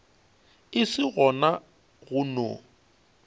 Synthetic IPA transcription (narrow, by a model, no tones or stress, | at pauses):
ɪsɪɣɔna | ɣʊno